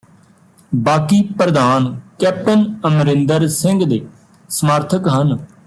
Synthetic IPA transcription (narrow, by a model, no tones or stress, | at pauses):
baːkiːpɾəd̪aːnkɛːp̚ʈənəmɾɪ̃nd̪əɾsɪ̃ŋɡd̪eː | səmaːɾt̪ʰəkɦən